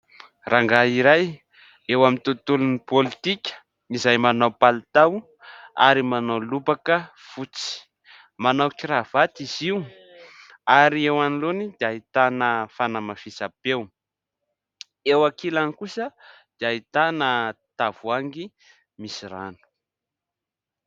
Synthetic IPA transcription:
raŋɡaiɾaj | ewamint̪ut̪ulunipolit̪ikʲə̥ | nizajmanawpalt̪aw | a̰ɾimanawlubakə | v̥ut͡si̥ | manawkiɾav̥at̪iziw | aɾiewanilonid̪̥iaɦit̪anəfanəmafisapew | ewakilanikusə | d̪̥iaɦit̪anət̪avuaŋɡi | misira̰nu̥

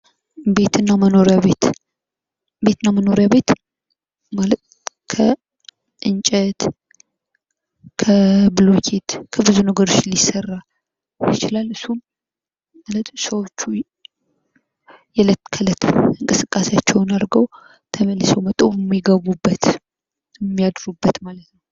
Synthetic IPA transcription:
be̞t̪ʰɨnːaməno̞ɾjaβet̪ | be̞t̪ɨnːaməno̞ɾjaβe̞t̪ | malət̪ | kʰə | ʔɨnt͡ʃʼɛt̪ | kʰəbɨlo̞kʰet̪kʰəbɨzunəɡəɾo̞t͡ʃːlisːərːa | jɪt͡ʃɪlalɨsːum | alət̪səwo̞t͡ʃːu | jɛlət̪kʰələt̪ɨŋkʼɨsɨkʼːaseat͡ʃːɛwnaɾɡəw | t̪ʰəməlːɨsɛwmət̪ʼːowjɛmːiɡəβubːət̪ | ɛmːijad̪ɾubːət̪malət̪nəw

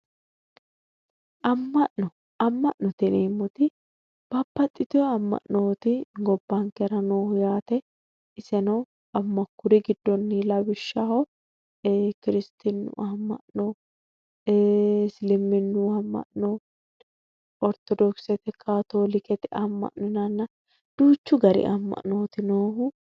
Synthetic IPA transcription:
ʔɐmːɐʔnɔ | ɐmːɐʔnɔt̪ɪneːmːɔt̪ɪ | b̥ɐbːɐt̪ʼːɪt̪ɪɔɐmːɐ̰ʔnoːt̪ɪɡɔbːaːŋkɛɾɐnoːjaːt̪ɛ | ɪsɛnɐ | ɐmːɐkːʊɾɪɡɪd̪ːɔnːɪlɐbɪʃːahɔ | kɪɾɪst̪ɪnːʊ̰ʔɐmːɐ̰ʔnoː | slɪmːɪnːuɐmːɐ̰ʔnoː | ɔɾt̪ɔd̪ɔksɛt̪ɛkʰaːt̪oːlɪkɛt̪ɛʔɐmːɐ̰ʔnɔnɐnːɐ | d̪̥uːt͡ʃːʊɡɐɾḭʔɐmːɐ̰ʔno̞ːt̪ɪnoːɦʊ

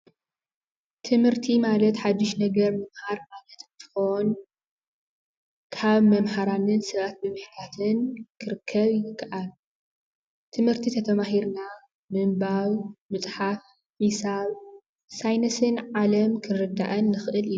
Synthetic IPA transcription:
t̪ʰɨmhɨɾt̪ʰimalɐt̪ħad̪ːɨʃnɐɡɐɾmɐmhaɾmalɐt̪ɨnt̪ʰɨ̥xon | kʰaβmɐmhaɾanɨnsɐβat̪̚bɨmɨħt̪ʰat̪ʰɨnkʰɨɾɨkʰːɐβjɪkʰːaʔal | t̪ʰɨmhɨɾt̪ʰit̪ʰɐt̪ʰɐmaɦiɾna | mɨmbaβmɨt͡sʼħaf | misaβ | sajnɐsɨnʕalɐmkʰɨnɾɨd̪a̰ʔɐnːɨxʔɨli

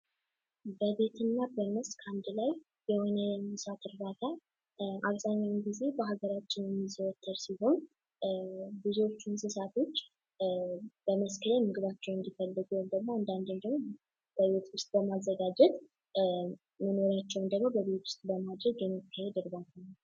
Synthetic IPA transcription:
bəβe̞t̪ʰɨnːabəməskʰand̪laj | bəho̞nəmɨsat̪ʰɨɾd̪at̪ʰa | ʔaβzaɲːawunɡize̞bəɦaɡəɾat͡ʃːɪnjɛmːizəwɔt̪ʰːəɾsiɦo̞n | bɨzo̞t͡ʃːunsɨsat̪ʰo̞t͡ʃː | b̥əməskʰəlemɨɡɨβat͡ʃːɛwɨnd̪ifəlːɨɡuwomd̪əɡmːoand̪and̪ənd̪əɡmo | b̥əβe̞t̪wʊst̪ʼbəmazːəɡad͡ʒɛt̪ | məno̞ɾat͡ʃːɛwnd̪əɡmo̞bəβe̞t̪wʊst̪ʼbəmad̪ɾəɡjɛmːikːahɛd̪ɨɾbalːu

